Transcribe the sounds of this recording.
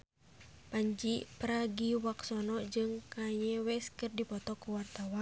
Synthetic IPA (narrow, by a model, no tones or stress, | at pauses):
paɲd͡ʒipɾaɡiwaksɔnɔd͡ʒɨŋkaɲɛwɛskɨrdipɔt̪ɔkuwart̪awan